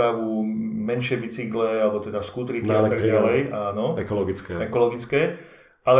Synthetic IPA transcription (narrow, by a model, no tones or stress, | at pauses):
aʋumɛnʃɪɛbit͡siɡlɛalɛbɔt̪ɛd̪askuːt̪ɾiaat̪aɡalɛjaːnɔɛkɔlɔɡit͡skɛɛkɔlɔɡit͡skɛː | alɛ